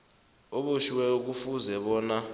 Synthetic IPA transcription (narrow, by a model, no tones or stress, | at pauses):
oɓoʃiwɛuk̬ufuzɛɓɔːna